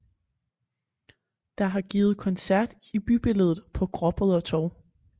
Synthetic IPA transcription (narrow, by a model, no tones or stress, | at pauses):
d̥ɑ̈ɦɑ̈ɡ̥iːð̩ˠkʰɒnsæɐ̰d̥ | ib̥yb̥e̝ləð̞ˠð̩ˠpʰɒ̽ɡ̥ʁɒ̽b̥əð̩ˠɒ̽t͡sʰɒʊ̰